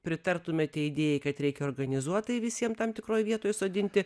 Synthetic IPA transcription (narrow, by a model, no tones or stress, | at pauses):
pʲɾʲɪt̪ɐrt̪ʊmʲɛtʲɛɪd̪ʲeːjɛɪkɐt̪ɾʲɛɪkʲɛoːrɡɐnʲɪzuɔt̪ɐɪʋʲɪsʲiɛmt̪ɐmt̪ʲɪkɾoːjʋʲiɛt̪oːjsoːd̪ʲɪnʲt̪ʲɪ